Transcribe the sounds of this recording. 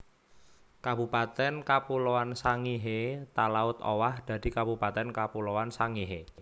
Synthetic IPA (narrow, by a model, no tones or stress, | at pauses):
kabupat̪ɛnkapulowansaŋiɦet̪alaʊt̪o̰wahd̪̥a̤d̪̥i̤kabupat̪ɛnkapulowansaŋiɦe